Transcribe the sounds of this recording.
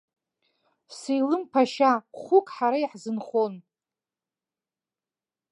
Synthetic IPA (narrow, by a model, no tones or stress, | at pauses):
sejlɨmpʰaʃaχʊkʼħaɾaiħzɨnχon